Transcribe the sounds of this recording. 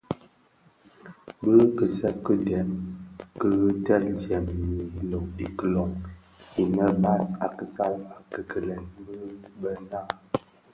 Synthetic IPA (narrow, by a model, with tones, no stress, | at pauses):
bə˦kə˨sɛ˦p̚kə˦dɛ˨nkə˦ɣtɛ˦ʔn˨tjɛ˨mji˨lo˨ŋi˨kə˦˨lɔ˨ŋ | i˨mə˦ba˦sa˨kə˦˨sa˦la˨kə˨kə˨lɛ˨nbə˦bə˦na˦˨